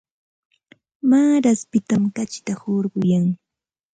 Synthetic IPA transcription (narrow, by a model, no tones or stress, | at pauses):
maːɾaspɪt̪amkat͡ʃɪt̪ahoɾɢʊjaŋ